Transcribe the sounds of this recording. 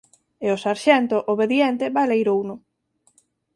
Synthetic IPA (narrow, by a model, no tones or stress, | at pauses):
ɪʊsaɾʃɛnt̪ʊʔoβeðjɛnt̪ɪβajlejɾownʊ